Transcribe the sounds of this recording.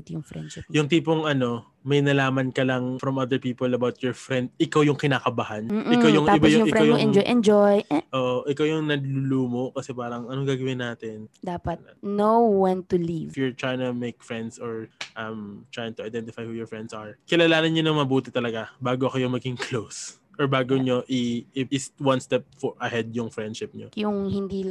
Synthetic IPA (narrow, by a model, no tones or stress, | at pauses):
t̪ijʊŋfɾɛ̰d̪ʃɪjʊŋt̪iːpoŋʔɐno̞ | mɐjnɐlaːmɐnkɐlɐŋfɾɐmʔɐd̪ɛɹpiːpolɐbawt̪̚jɔɹfɾɛnd̪̚ʔɪkawjʊŋkɪnaːkɐbahɐnm̩ːʔɪkawjʊŋɪbajʊɪkkɛawjʊŋɛnd͡ʒɔjʔɛnd͡ʒojʔoːʔoʔɪkawjʊŋnɐɡluluːmoʔkɐsɛpaːɾɐŋʔɐnoŋɡaːɡɐwɪnaːt̪ɪnd̪aːpɐt̪nowɐ̃nt̪ʊlivfjʊɹt̪ɹaːjɪŋt̪ʊmejk̚fɹɛnd̪sɔɹʔɐmt̪ɹaːjɪ̃ŋt̪ʊɐjd̪ɛnt̪ɪfajhuːjɔɹfɹɛnd̪̚sɐɹkɪlalaːnɐnɲonɐŋmɐbuːt̪ɪt̪ɐlɐɡabaːɡoɐkojʊŋmɐɡɪŋklows | ʔɔɹbaːɡoɲoʔiɪɪst̪wɐnst̪ɛp̚fɹʔɐhɛd̪̚jʊŋfɹɛnd̪ʃɪp̚ɲojʊŋhɪnd̪iː